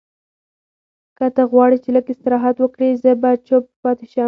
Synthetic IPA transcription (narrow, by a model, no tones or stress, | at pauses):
kat̪aɣwɑɽit͡ʃeləkɪst̪ɪɾɑɦat̪wəkɽizəbat͡ʃoppɑt̪ɪʃɑ